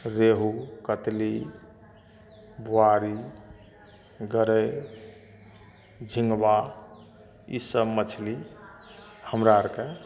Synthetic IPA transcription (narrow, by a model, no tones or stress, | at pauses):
ɾeɦukət̪li | bʱoaɾi | ɡəɾe | d͡ʒʱiŋɡba | ḭsəbmət͡ʃʰli | həmɾaəɾke